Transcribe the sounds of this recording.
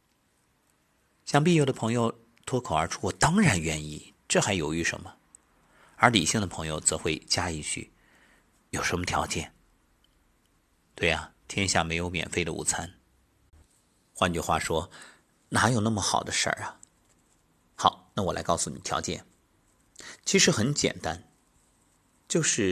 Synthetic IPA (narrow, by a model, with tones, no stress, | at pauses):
ɕjɑ˥˧ŋp̬i˥˧jo˥˩ʊd̪ə˩pʰɤ˧˥ŋjo˧ʊ | t̪ʰwɔ˥kʰo˨˩ʊə˞˧˥ʈ͡ʂʰu˥wɔ˨˩t̪ɑ˥ŋɻa˧˥nɥɛ˥ni˥˩ | ʈ͡ʂɤ˥˩xa˧˥ɪjo˨˩ʊy˧˥ʂə̰˧˥nmə˧ | ə˞˧˥li˨˩ɕi˥˩ŋd̪ə˩pʰɤ˧˥ŋjo˧ʊt͡sɤ˧˥xwe˥˧ɪt͡ɕja˥i˥˩t͡ɕʰy̰˥˩ | jo˨˩ʊʂə˧˥nmə˧t̪ʰjɑ̰˧˥ʊt͡ɕjɛ̰˥˩n | t̪we˥˩ɪɐ˩t̪ʰjɛ˥n˧ɕja˥˩me˧˥ɪjo˧˥ʊmjɛ̰˨˩nfe˥˩ɪd̪ə̰˨ṵ˨˩t͡sʰa˥n | xwa˥˧nt͡ɕy˥˩xwa̰˥˩ʂwɔ˥ | na˧˥jo˨˩ʊnə˥˩mə˩xɑ˨˩ʊd̪ə˦ʂə̰˞˥˩ɐ˩ | xɑ˨˩˦ʊna˥˩wɔ˨˩la̰˧˥ɪkɑ˥˩ʊsu˨˩nḭ˨˩t̪ʰjɑ̰˧˥ʊt͡ɕjɛ̰˥˩n | t͡ɕʰi˧˥ʂɻ̩˧˥xə˧˥nt͡ɕjɛ̰˨˩nt̪a˥n | t͡ɕjo˥˧ʊʂɻ̩˥˩